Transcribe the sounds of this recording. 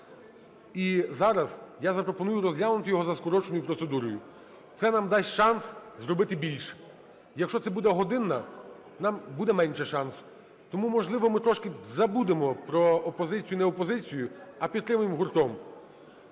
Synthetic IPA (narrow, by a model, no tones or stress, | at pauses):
izɑɾɐzjazɐpɾɔpɔnujʊɾɔzʲjʲalˠnʊt̪ɪjɔɦɔzɐskɔɾɔt͡ʃenɔjʊpɾɔt̪sed̪uɾɔjʊ | t̪sɛnɑmd̪ɑsʲtʲʃɑnszɾɔbɪt̪ɪbʲilʲʃɛ̥ | jɐkʃt͡ʃɔt̪sɛbud̪ɛɦɔd̪ɪnːɐ | nɑmbud̪ɛmɛnʲʃɛʃɑnsʊ̥ | t̪ɔmumɔʒlˠɪʋɔmɪt̪ɾɔʃkɪzɐbud̪emɔpɾɔːpɔzɪt͡sʲijʊnɛɔpɔzɪt͡sʲijʊɐpʲid̪t̪ɾɪmʊjɪmɦʊrt̪ɔm